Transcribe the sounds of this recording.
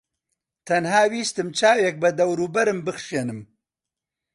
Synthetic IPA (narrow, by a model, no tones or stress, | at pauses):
t̪ʰɐnhaːwiːst̪ɨmt͡ʃaːwjek̚bɐd̪ɐwɾuːbɐɾɨmbɨxʃeːnɨm